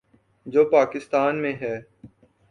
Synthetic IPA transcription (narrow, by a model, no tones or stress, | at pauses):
d͡ʒoːpaːkɪst̪aːnmẽɦɛː